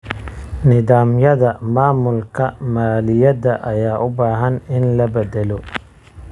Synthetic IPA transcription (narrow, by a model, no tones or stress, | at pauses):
nɪðaːmjɐðɐmaːmʊlkʰɐmaːlɪjɐdɐʔɐjaːʔʊbaːɦɐnɪnlɐbɛd̪ɛlɔ